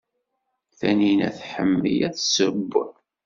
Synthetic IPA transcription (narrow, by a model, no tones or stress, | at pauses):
θæninæ̰θħəmːijæθsəbːə